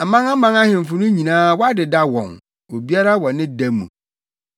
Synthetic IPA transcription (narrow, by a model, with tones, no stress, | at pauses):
a˨mã˦ŋa˦mã˦ŋa˦hɪ̃˨m˨fʊ˨nʊ̃˦ɲĩ˨nãː˦wɔ˦a˦dɪ˨da˦wɔ̰̃˨n | o˨bi˦a˦ɾa˦wɔ̃˨nɪ̃˦dæ˦mːṵ̃˨